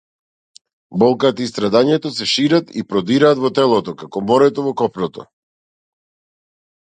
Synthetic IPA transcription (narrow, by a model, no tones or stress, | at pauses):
bɔlˠkat̪aist̪ɾad̪aɲɛt̪ɔsɛʃiɾat̪ḭpɾɔd̪iɾaːt̪vɔt̪ɛlˠɔt̪ɔkakɔmɔɾɛt̪ɔvɔkɔpnɔt̪ɔ̰